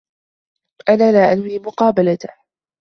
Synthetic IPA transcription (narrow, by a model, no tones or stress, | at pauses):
ʔanaːlaːʔanwiːmʊqɑːbalat̪a